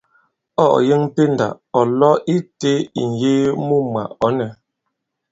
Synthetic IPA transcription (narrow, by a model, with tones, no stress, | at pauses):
ɔ̰˦ʔje˦ŋ˦te˦nda̰˨ | ɔ˨lɔ˦i˦te˦ḭ˨n̩˨je˦mu˦ma̰˨ʔɔ˦nɛ˨